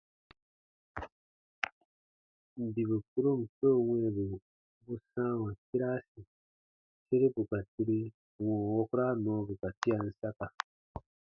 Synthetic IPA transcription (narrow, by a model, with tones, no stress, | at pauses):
ndi˨βu˨ku˦ɾo˦mu˨to˦ŋwe˦˨βu˨ | βu˦sa˦wa˨ki˦ɾa˦si˨ | t͡ʃe˦ɾe˦pu˨ka˨ti˦ɾi˦˨ | ŋo˨wo˦ku˦ɾa˦no˨˦βu˨ka˨ti˦ja˨n̩˨˦sa˦ka˨